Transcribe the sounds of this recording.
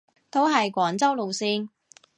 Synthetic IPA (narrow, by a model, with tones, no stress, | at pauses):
t̪ʰo˨˥wɦɐ˨jkʷɔː˨˥nt͡sɐ˥wlo˨wsiː˧n